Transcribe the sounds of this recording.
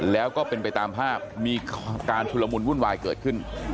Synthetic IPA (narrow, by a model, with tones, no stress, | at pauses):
lɛː˦˥wkɔː˥˩pe˧npa˧jt̪aː˧mpʰaː˥˩p̚miː˧kaː˧nt͡ɕʰu˧lːa˧mu˧nwu˥˩nwaː˧jkɤː˨˩t̪̚kʰɯ˥˩n